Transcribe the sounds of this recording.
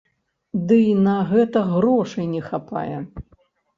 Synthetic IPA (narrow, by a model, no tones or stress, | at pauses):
d̪ɨnɐɣɛt̪ɐɣɾɔʂɨjnʲɛxapa̰jɛ